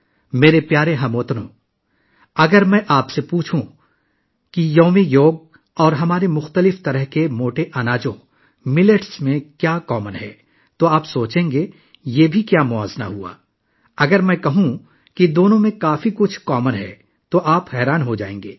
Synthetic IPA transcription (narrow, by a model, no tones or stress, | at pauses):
meːɾepjaːɾeɦɐmoːt̪nõ̰ː | ɐɡəɾmɛ̃ʔaːpsepuːt͡ʃʰũ | kijoːmijoːɡ̚ | ɔːɾɦɐmaːɾemʊxt̪əlɪft̪ɐɾəɦkemoːʈeʔɐnaːd͡ʒõ | mɪleʈsmẽkjaːkɔːmənɦɛ̰ː | t̪oaːpsoːt͡ʃẽːŋɡe | jeːbʱikjaːmʊa̰ːzna̰ɦua̰ː | ɐɡəɾmɛ̃ːkɐɦũ | kid̪oːnõmẽkaːfikʊt͡ʃʰkɔːmənɦɛ̰ | t̪oʔaːpɦɛːɾaːnɦod͡ʒaːḛ̃ːŋɡḛː